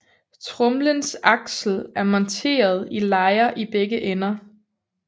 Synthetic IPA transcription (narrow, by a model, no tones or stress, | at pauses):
t͡sʰʁɔmlənsɑ̈ɡ̥sl̩æɐmɒ̽nt͡sʰe̝̰ːɐð̞ˠilɑ̈ɪɐʔib̥eɡ̥əʔenɐ